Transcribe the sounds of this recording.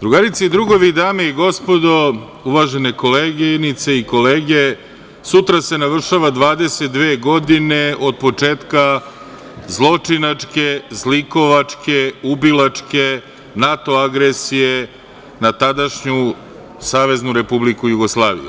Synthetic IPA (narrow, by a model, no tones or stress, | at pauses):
d̪ɾuɡaɾit̪seid̪ɾuɡo̞ʋid̪aːmeiɡo̞spo̞d̪o̞ | uʋaʒene̞ko̞leːɡnit̪seiko̞leːɡe̞ | sut̪ɾase̞naʋr̩ʃaʋad̪ʋaːd̪e̞set̪̚d̪ʋeːɡo̞d̪ine̞ʔo̞d̪̚po̞t͡ʂeːt̪ka | zlˠo̞t͡ʂinat͡ʂkezliko̞ʋat͡ʂkeubilat͡ʂke̞ | nat̪o̞aɡɾesije | nat̪ad̪aʃɲu | saːʋe̞znuɾe̞publikujuɡo̞slˠaːʋḭjṵ